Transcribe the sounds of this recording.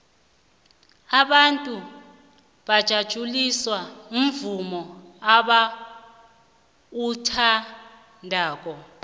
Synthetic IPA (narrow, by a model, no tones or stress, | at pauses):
aɓantʼu | ɓad̥ʒ̥ʱad̥ʒ̥ʱuliswaum̩vumɔaɓa | utʰa | ndʱaːk̬ʼɔ